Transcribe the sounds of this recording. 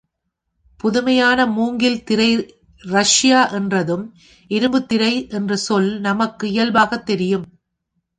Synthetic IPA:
pʊðʊmɐjaːnɐmuːŋɡɪlt̪ɪɾɐɪ | ɾɐʂjaːʔɛndrɐðɯm | ʔɪɾɯmbɯt̪ːɪɾɐɪʔɛndrɐsɔlnɐmɐkːɯɪjɐlbaːɣɐt̪ːɛɾɪjɯm

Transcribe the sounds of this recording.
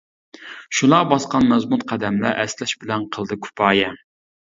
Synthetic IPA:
ʃulˠɑʁbɑsqɑnmɛzmut̪qʰæd̪ɛmlæ̰ʔɛslɛʃbɪlɛnqʰəlˠd̪ɨkʲʰy̥pʰɑːjɛ

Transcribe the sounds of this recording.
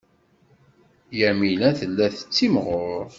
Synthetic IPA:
jæmilæθəlːæθə̥t͡sːimʁʊɾˤ

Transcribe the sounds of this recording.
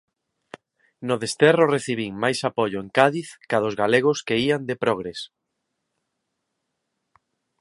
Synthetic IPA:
nʊðest̪ɛrʊreθiβiŋmajsapoʎʊeŋkaðiθkaðʊzɣaleɣ̞ʊskeiand̪epɾoɣɾes

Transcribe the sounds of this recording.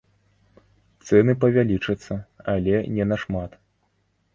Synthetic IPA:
t̪sɛnɨpɐvʲalʲit͡ʂɐt̪sːɐalʲɛnʲɛnɐʂmat̪

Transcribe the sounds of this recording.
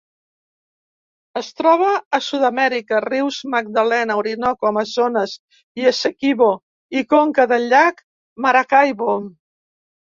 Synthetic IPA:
əst̪ɾɔβ̞əːsuðamɛɾikəriwzməɡ̚d̪alɛnəwɾinɔkaməzonəz | iəsekiβo | ikoŋkəðəlːak | maɾakajβo

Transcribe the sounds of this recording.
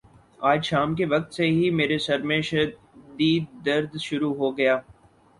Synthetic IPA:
aːd͡ʒʃaːmkeʋɐk̚t̪seɦimeːɾesɐɾmẽʃɐ | d̪iːd̪ːɐɾd̪ʃʊɾuɦoɡɐjaː

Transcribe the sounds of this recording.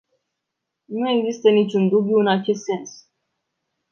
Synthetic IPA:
nue̞ɡzist̪ənit͡ʃʲund̪ubjuɨnat͡ʃe̞st̪se̞ns

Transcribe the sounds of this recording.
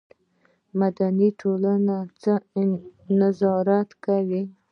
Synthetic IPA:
mad̪aniʈʰolanat͡sə | nazɑɾat̪kawi

